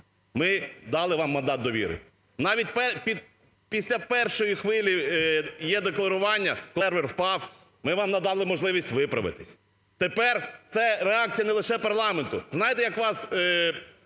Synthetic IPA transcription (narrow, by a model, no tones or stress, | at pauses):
mɪd̪ɑlˠɪʋɑmːɐnd̪ɑt̪̚d̪ɔʋʲḭɾɪ̰ | nɑʋʲit̚ʲpɛpʲid̪ | pʲisʲlʲɐpɛrʃɔjixʋɪlʲijɛd̪eklˠɐɾʊʋɑnʲːɐkɔrʋɛrwpɑw | mɪʋɑmnɐd̪ɑlˠɪmɔʒlˠɪʋʲisʲtʲʋɪpɾɐ̰ʋɪ̰t̪ɪsʲ | t̪epɛrt̪sɛɾeɑk̚tt͡sʲijɐnɛlˠɪʃɛpɐrlˠɑment̪ʊznɑjɪt̪ɛjɐkʋɑs